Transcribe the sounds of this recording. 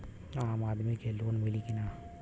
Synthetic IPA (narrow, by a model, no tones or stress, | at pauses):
aːmaːd̪mikeloːnmilikinaː